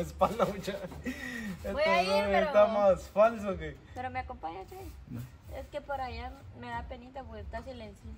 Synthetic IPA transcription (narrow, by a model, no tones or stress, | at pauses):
espalnaut͡ʃa | eaoet̪amaspals̬okepeɾomeakompaɲat͡ʃai | ḛskepoɾajameðapenit̪aβut̪asilensjo